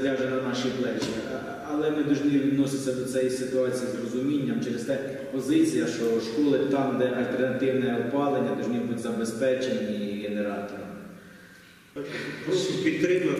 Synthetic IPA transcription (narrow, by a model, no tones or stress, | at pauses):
lʲɑʒɛnɐnɑʃiblˠɛt͡ʃi | ɐlˠɛnɪd̪ɔʒnʲiʋʲid̪nɔsɪt͡sʲːɐd̪ɔsɛjisɪt̪ʊɑt͡sʲijizrɔzʊmʲinʲːɐmt͡ʃɛɾest̪ɛ | pɔzɪt͡sʲijɐʃt͡ʃɔʃkɔlˠɪt̪ɑmd̪ɛʔɐlʲt̪ernɐt̪ɪwnɛɔpɑlˠenʲːɐd̪ɔʒnʲibutʲzɐbespɛt͡ʃenʲːiɦeneɾɑt̪ɔɾɔmɪ | pɔipʲid̪t̪ɾɪmɐ